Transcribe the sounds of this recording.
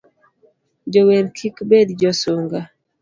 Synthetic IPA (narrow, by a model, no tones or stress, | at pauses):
d͡ʒoweɾkʰikbed̪d͡ʒɔsoŋɡa